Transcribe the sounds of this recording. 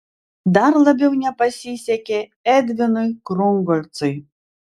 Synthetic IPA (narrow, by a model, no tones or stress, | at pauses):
d̪arlˠɐbʲɛwnʲapasʲisʲakʲɛɛd̪vʲinɨkɾɔŋɡɔlʲt̪sɨj